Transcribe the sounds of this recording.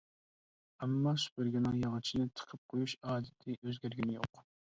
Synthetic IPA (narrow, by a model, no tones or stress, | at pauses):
ɛmːɑsy̥pɪɾɡʲinɪŋjɑŋɨt͡ʃʰinɪt̪ʰə̥qʰəp̚qʰojuʃɑːd̪ɪt̪ʰɪʔøzɡʲæɾɡʲinɪjo̰q